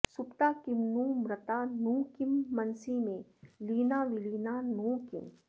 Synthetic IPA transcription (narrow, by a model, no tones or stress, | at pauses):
sʊpt̪aːkɪmnuːmɾət̪aːnuːkimːɐnsimẽliːnaːʋɪliːnanuːkɪ̰m